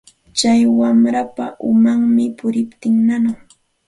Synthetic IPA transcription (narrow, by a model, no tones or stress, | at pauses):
t͡ʃajwamɾapaʔʊmaŋmɪpʊɾɪpt̪ɪŋnanʊχ